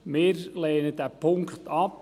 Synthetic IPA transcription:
mɪːɾleːnədæpʰʊŋkχt̪ɑp

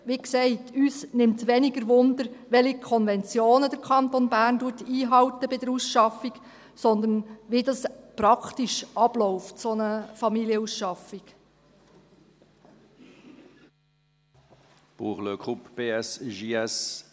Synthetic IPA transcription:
ʋiksɛɪtyːsnɪmt̪ʋɛniɡəɾʋʊnd̪əɾʋɛlikʰɔnvɛnt͡sjoːnədəɾkʰχɑnt̪onbæːɾnduətiːɦɑwtəbɪdəɾusʃɑfik | sɔnd̪ənʋidɑspɾɑkχtiʃʔɑb̥lɔʊftsɔnəfɑmiljəusʃɑfik | b̥uːʁløkʰʁupb̥eːɛsʒiɛs

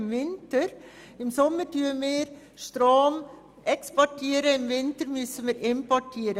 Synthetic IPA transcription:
mʋɪnt̪əɾ | ɪmsɔmːətyːmeːɾ | st̪ɾoːm | ɛkspɔʈʰeːɾəɪmʋɪnt̪əɾmysəmeːɾɪmpɔʈʰeːɾə

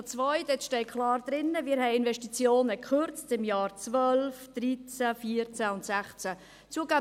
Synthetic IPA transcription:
t͡svɔʏdɛtʃtɛɪkʰlɑːɾd̪ɾɪnːəmɪːɾɦɛɪɪnvɛʃtit͡sjoːnəkʰχʏɾt͡stɪmjɑːɾt͡svœlfd̥ɾit͡sæfiːəɾt͡sæʊntsæχt͡sæ | t͡suːəɡa

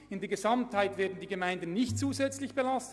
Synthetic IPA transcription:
ɪndeːɐɡezɑmthaɪtv̥ɛːɐdn̩diːɡemaɪndən̩ːɪçtt͡suːzɛt͡slɪçb̥elɑst

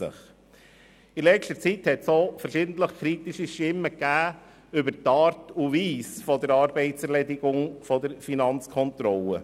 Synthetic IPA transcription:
ə̰χ | ilɛʃtəɾt͡sithɛtsofəɾʃɪdn̩tləχkʰɾitiʃiʃtɪmːəkːæː | ʏbəɾtːɑːɾtuviːsfɔdəɾɑːɾbɛɪtsɛɾlɛdɪɡʊŋfɔdəɾfinɑnt͡skʰɔntɾɔlə

